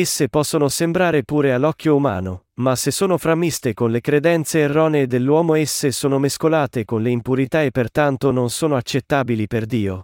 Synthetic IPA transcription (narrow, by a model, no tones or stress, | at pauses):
esːepɔsːonosembɾaːɾepuːɾealːɔkʰʲːjouma̰ːnomasesːoːnofɾamːist̪ekonlekɾed̪ɛnt̪seːrːɔːneːd̪elːwɔːmoesːesoːnomeskolaːt̪ekonleimpuɾit̪aepːert̪ant̪ononsoːnoat͡ʃːet̪ːaːbiliperd̪iːo